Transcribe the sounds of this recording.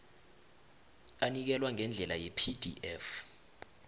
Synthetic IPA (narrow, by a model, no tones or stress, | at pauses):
anik̬ɛlwaŋɛnd͡ɮʱɛlajɛpʰid̥ʱiʔɛf